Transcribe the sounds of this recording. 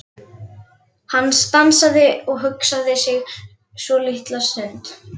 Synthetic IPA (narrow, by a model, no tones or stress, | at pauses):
hanːst̪ansaðɪɔɣɦʏksaðɪsɪɣ | svɔlɪht̪lasʏnt̪